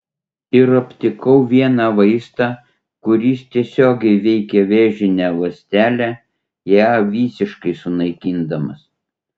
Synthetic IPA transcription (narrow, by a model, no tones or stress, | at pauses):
ɪɾɐpʲt̪ʲɪkɐʊʋʲiɛnɑʋɐɪst̪ɑ | kʊɾʲiːst̪ʲiɛsʲoːɡʲɛɪʋʲɛɪkʲɛʋʲeːʒʲɪnʲɛʋɐsʲt̪ʲæːlʲæː | jæːʋʲiːsʲɪʃkɐɪsʊnɐɪkʲind̪ɐmɐs